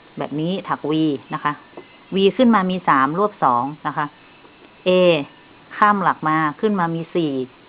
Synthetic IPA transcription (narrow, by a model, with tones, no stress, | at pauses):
bɛː˨˩p̚niː˦˥t̪ʰa˨˩k̚wiː˧na˦˥kʰa˦˥ʔ | wiː˧kʰɯ˥˩nmaː˧miː˧saː˩˦mlu˥˩əp̚sɔː˩˦ŋna˦˥kʰa˦˥ʔ | ʔeː˧ | kʰaː˥˩mla˨˩k̚maː˧kʰɯ˥˩nmaː˧miː˧siː˨˩